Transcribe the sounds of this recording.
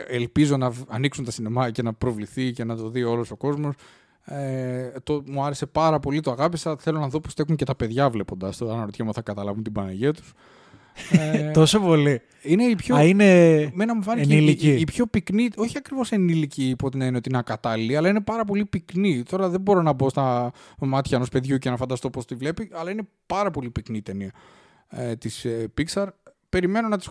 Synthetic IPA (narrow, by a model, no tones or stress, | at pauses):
elpizo̞nɐɐniksunt̪ɐsinemɐcenɐpɾo̞vliθice̞nɐt̪o̞ðio̞loso̞ko̞zmo̞s | et̪omuɐɾe̞se̞pɐɾɐpo̞lit̪oɐɣɐpisɐθe̞lo̞nɐðopost̪e̞xuɲce̞t̪ɐpe̞ðʝɐvle̞po̞nd̪ɐst̪oɐnɐɾot̪çɐmuθɐkɐt̪ɐlɐvunt̪ibɐnɐʝet̪u̥s | t̪osopo̞li | ine̞ipçoinemenɐmuvɐneniliiːpço̞piknio̞çiɐkɾivo̞se̞niliciːpo̞t̪enɐineot̪iinɐkɐt̪ɐliliɐlɐine̞pɐɾɐp̬o̞lipiknit̪o̞ɾɐðebo̞ɾo̞nɐbo̞st̪ɐmɐt̪çɐenospe̞ðʝucenɐfɐnd̪ɐst̪o̞po̞st̪ivle̞piʔɐlɐine | pɐɾɐpo̞lipikniːt̪eniɐ | t̪ispiksɐɾ | pe̞ɾime̞no̞nɐt̪i̥s